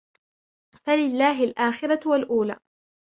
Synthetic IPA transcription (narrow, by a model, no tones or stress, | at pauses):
falɪlːaːɦɪlʔaːxɪɾˤɑwalʔuːla̰ː